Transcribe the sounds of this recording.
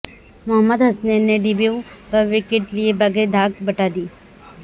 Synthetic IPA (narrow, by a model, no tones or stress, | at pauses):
mʊɦəmːəd̪ɦɐsnenẽɖibijubɐʋɪkeʈliebɐɡed̪ʱaːkbɐʈaːd̪iː